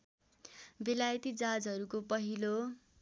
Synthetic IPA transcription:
belajʌt̪id͡zad͡zʌɾukopʌɦilo

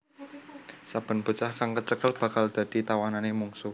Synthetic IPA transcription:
sab̥ə̤nbə̤t͡ʃahkaŋkət͡ʃəɡ̥əlb̥a̤kald̪̥ä̤d̪̥i̤t̪awananemuŋsu

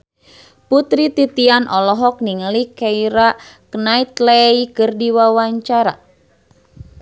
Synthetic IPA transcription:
put̪ɾit̪it̪ianʔɔlɔɦɔk̚niŋəlikɛiɾaknait̪leikɨrdiwawaɲt͡ʃaɾa̰

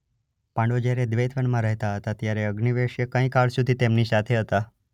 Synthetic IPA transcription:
pãɳɖod͡ʒjaɾed̪ʋejt̪ʋənmãɾəɦt̪aɦət̪at̪jaɾeəɡniʋeʃjəkə̃ĩkaɭsud̪ʱit̪emnisat̪ʰeɦət̪a

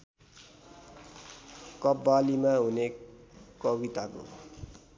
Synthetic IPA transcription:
kʌbːalimaɦunekʌɡit̪ako̰

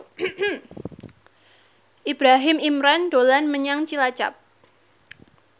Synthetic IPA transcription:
ʔib̥ɾaɦɪmimɾand̥olanməɲaŋt͡ʃilat͡ʃa̰p̚

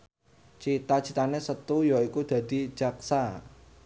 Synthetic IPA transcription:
t͡ʃit̪at͡ʃit̪anesət̪ujɔikud̪̥ä̤d̪̥i̤̥d͡ʒ̥a̤ksa

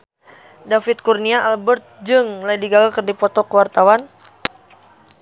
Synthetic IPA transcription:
dafit̪̚kurniaʔalbərt̪̚d͡ʒɨŋlajdiɡalakərdipɔt̪ɔkəwart̪awan

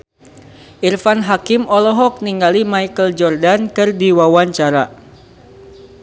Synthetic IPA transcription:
ʔirfanɦakimɔlɔɦɔk̚niŋɡalimaikəld͡ʒɔrdankɨrdiwawaɲt͡ʃaɾa

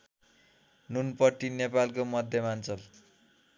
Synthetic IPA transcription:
nunpʌʈinepalkomʌd̪ʱjʌmant͡sʌl

